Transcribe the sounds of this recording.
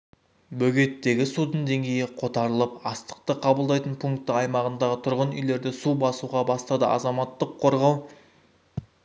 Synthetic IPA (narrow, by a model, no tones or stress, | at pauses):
bɵɡʲe̞t̪ːe̞ɡʲɪsud̪ənd̪e̞ŋɡʲe̞jɪqʰo̞t̪ɑɾəlˠəpɑst̪ə̥qt̪əqʰɑbəlˠd̪ɑjt̪ənpʰuŋk̚t̪ːəɑjmɑʁənd̪ɑʁət̪ʰʊɾʁənʏjle̞ɾd̪ɪsubɑsuʁɑbɑst̪ɑd̪əʔɑ̰zɑmɑt̪ːəqʰːo̞ɾʁɑw